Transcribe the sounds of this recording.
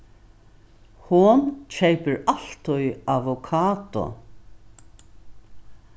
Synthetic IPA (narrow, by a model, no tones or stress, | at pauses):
hʊnt͡ɕʰɛjpəɹal̥t̪ʊjavʊkʰaːt̪ʊ̰